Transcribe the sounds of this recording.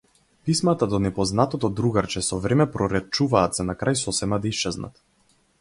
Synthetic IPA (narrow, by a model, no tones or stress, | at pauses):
pismat̪ad̪ɔnɛpɔznat̪ɔt̪ɔd̪ɾuɡaɾt͡ʃɛsɔvɾɛmɛpɾɔɾɛt͡ʃuvaːt̪zanakɾajsɔsɛmad̪aist͡ʃɛzna̰t̪